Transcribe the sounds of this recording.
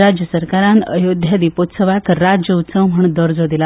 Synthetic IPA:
ɾad͡ʑjəsəɾkaɾãnəjod̪ʱjad̪ipot̪səʋakɾad͡ʑjəut̪səwm̤əɳd̪əɾd͡zod̪ila

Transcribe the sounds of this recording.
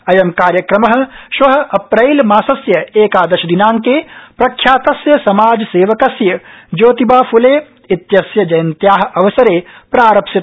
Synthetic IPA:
ɐjɐmkaːɾjɐkɾɐmɐɦɐ̆ʃʋɐɦɐ̆ʔɐpɾɐjlmaːsɐsjɐeːkaːd̪ɐɾʃɐd̪inaːŋkeːpɾɐkʰːjaːt̪ɐsjɐsɐmaːd͡ʒɐseːʋɐkɐsjɐd͡ʒoːt̪ibaːfuleː | it̪jɐsjɐd͡ʒɐjɐnt̪jaːɦɐ̆ʔɐʋɐsɐɾeːpɾaːɾɐpʃit̪

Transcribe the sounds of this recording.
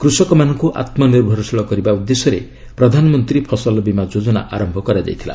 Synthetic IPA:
kɾusɔkɔmanɔŋkuʔa̰t̪mɔniɾbʱɔɾɔsiɭɔkɔɾibaud̪ːesɔɾe | pɾɔd̪ʱanɔmɔnt̪ɾipʰɔsɔlbimad͡ʒod͡ʒɔna̰ʔaɾɔmbʱɔkɔɾad͡ʒa̰jt̪ʰila̰

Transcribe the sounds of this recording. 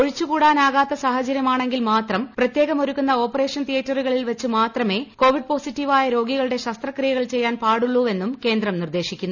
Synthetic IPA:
oɻit͡ɕːukuːɽaːnaːɣaːt̪ːɐsaːhɐt͡ɕɐɾjɐmaːɳe̞ŋɡilmaːt̪rɐmprɐt̪jeːɣɐmoɾukːunːɐo̞ːpːɐre̞ːʂɐnt̪ʰijɐtːɐruɣɐɭilʋɐt͡ɕːumaːt̪rɐme̞ːko̞ːʋiɖ̚po̞ːsitːiʋaːjɐɾo̞ːɡiɣɐɭɨɽe̞ɕɐst̪rɐkrijɐɣɐɭt͡ɕe̞jːaːnpaːɽuɭːuːe̞nːumke̞ːnd̪rɐmnird̪e̞ːɕikʲːunːu

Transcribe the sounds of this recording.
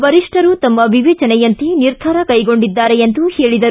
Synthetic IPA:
bɐɾiʂʈʰɐɾut̪ɐmːɐʋiʋɛːt͡ʃɐnɛjɐnt̪iniɾd̪ʱɐɾɐkɐjɡo̞ɳɖid̪ːaːɾejend̪uheːɭid̪ɐɾu

